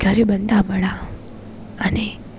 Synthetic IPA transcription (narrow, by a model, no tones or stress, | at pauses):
ɡʱəɾebənd̪ʱaməɭa | əne